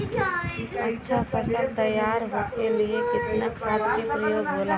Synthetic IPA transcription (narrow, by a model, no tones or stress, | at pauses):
ɐtːʃʰafʰɐsək̚t̪ɐjːaːɾɦokeliekɪt̪nakʰaːt̪kepɾɐjoːɡboːla